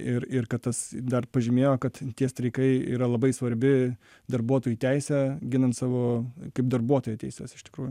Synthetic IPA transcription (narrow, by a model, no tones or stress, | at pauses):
ɪrɪrkɐt̪t̪ɐsd̪ɐrpɐʒʲɪmʲeːjoːkɐt̪tʲiɛst̪ɾʲɐɪkɐɪḭːɾɐlˠɐbɐɪsʋɐɾʲbʲɪ | d̪ɐrbuɔt̪oːjut̪ʲɛɪsʲɛɡʲɪnɐnt̪sɑːʋoːkɐɪp̚d̪ɐrbuɔt̪oːjɛtʲɛɪsʲɛsɪ̥ʃt̪ʲɪ̥kɾuːjʊ